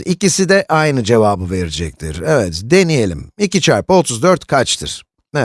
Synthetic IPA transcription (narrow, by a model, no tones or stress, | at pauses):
icisid̪ɛʔajnɯd͡ʒe̞vaːbɯve̞ɾid͡ʒɛc̚t̪ʰḭɾɛvɛt̪d̪e̞nije̞lʲḭmicit͡ʃʰaɾpot̪ʰuzd̪øɾt̪kʰat͡ʃt̪ʰɯ̰ɾ̥ | nɛ